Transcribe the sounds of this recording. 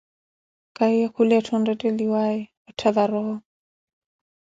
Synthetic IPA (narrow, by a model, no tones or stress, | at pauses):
kʼaiakʰulɛatʰɔndɛtʼɛliwaɛ | ɔtʰaðaɾɔɦɔ